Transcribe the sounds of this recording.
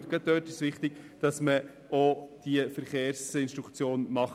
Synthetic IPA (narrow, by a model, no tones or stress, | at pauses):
ɡ̥ɑt̚d̪øːtɪʃʋɪχt̪ɪɡ̥d̥ɑsmə | od̥iəfɛɾχeːɾsɪnʃtɾukt͡sjoːnmɑχ